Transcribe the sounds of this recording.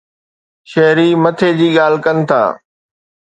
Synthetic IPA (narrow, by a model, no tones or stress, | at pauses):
ʃɐɦɾimɐt̪ʰeːd͡ʑiːɠaːl̤kɐnɪ̆t̪ʰa̰ː